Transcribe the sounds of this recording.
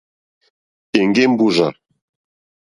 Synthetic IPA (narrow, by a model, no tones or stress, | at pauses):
eŋɡembuʒa